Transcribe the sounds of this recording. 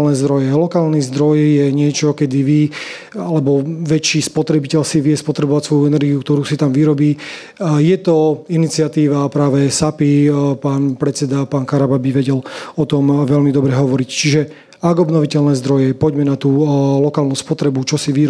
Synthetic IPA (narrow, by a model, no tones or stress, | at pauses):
lnɛːzd̪ɾɔjɛlɔkaːlnizd̪ɾɔjːɛɲɪɛt͡ʃɔkɛd̪iʋi | alɛbɔʋɛt͡ʃiːspɔt̪ɾɛbicɛʎsiʋɪɛspɔt̪ɾɛbɔʋacsʋɔjuɛnɛɾɡiukt̪ɔɾuːsit̪amʋiɾɔbiː | jɛt̪ɔinit͡siat̪iːʋapɾaːʋɛsapipaːnpɾɛt͡sɛd̪apaːnkaɾababiʋɛɟɛlɔt̪ɔmʋɛlmid̪ɔbɾɛɦɔʋɔɾict͡ʃiʒɛ | aɡɔbnɔʋicɛlnɛːzd̪ɾɔjɛpɔɟmɛnat̪uːlɔkaːlnuːspɔt̪ɾɛbut͡ʃɔsiʋi